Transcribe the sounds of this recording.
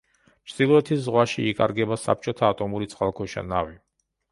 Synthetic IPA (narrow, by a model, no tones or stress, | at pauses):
mɾd̪ilˠɔɛt̪ʰiszʁwaʃiːkʼa̰ɾɡɛbasa̰p̚t͡ʃʼɔt̪ʰaːt̪ʼɔmuɾit̪sʼqʼalˠkʰɔʃa̰navi